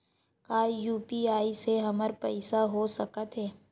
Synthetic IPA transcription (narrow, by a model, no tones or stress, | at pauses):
kaːijuːpiaːiseɦɐməɾpɛɪsaɦoːsɐkət̪ɦɛː